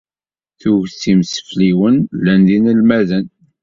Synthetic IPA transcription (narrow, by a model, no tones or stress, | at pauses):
θuʝθimsə̥fliwənlːænðinəlmæðən